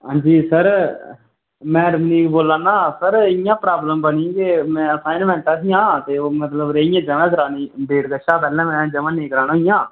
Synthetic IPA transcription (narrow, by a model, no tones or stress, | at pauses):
ɦãːd͡ʒiːsəɾ | mɛ̃ːɾmniːkboːlãːnːãːsəɾɪjãːpɾaːbləmbənĩkemɛ̃ːəsaːjɪnmɛ̃ːɳʈ̪aːs̬ijãːt̪eːoːmət̪ləbɾeːjãːd͡ʒəʋɛ̃ːk̬əɾaːnĩːbeːɾɡəʃaːpɛːlɛ̃ːmɛ̃ːd͡ʒəʋãːnẽːkəɾaːnõːɪjãː